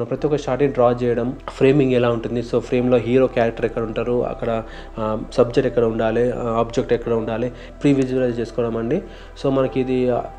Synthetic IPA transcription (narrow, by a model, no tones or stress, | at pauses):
nɐpɾɐt̪ijɔkɐʃaːʈiɖɾaːt͡ʃɛːjɐɽɐmpʰɾe̞ːmiŋɡɛlaːuɳʈund̪iso̞ːpʰɾe̞ːmlo̞ːɦiːɾoːkjaːɾɐk̚ʈɐɾɛkːɐɽɐuɳʈaːɾuɐ̰kːɐɽɐ | sɐbd͡ʒek̚ʈɛkːɐɽɐuɳɖaːliaːpd͡ʒek̚ʈɛkːɐɽɐuɳɖaːli | pɾiʋid͡ʒblɐt͡ʃe̞ːsu̥kɔːʋɐɽɐmɐɳɖi | so̞ːmɐnɐkid̪i